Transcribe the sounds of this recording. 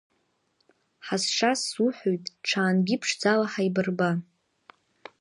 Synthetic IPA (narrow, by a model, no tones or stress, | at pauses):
ħasʂasuħʷojtʼʈ͡ʂʰaːnɡʲɪpʰʂd͡zalaħaibɨrba